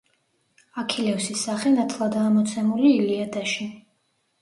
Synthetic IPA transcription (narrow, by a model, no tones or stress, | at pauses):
akʰilɛfsisːaχɛnat̪ʰlˠad̪aːmɔt̪sʰɛmuliːliad̪aʃi